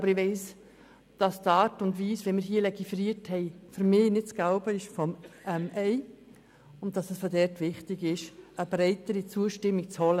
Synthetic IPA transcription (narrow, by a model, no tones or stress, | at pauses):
ɑbəɾɪʋɛɪs | d̥ɑstɑːɾtʊndʋiːsʋɛnmɪːɾɦiːəlɛɡifɾiəthɛɪfʏɾmɪːnɪt̚t͡sɡ̥aʊbəɪʃfɔmɛmɛɪ | ʊnt̚d̥ɑsɛsfodɛɾtʋɪχtɪɡɪʃəb̥ɾɛɪtəɾit͡suəʃtɪmːik̚t͡shɔlə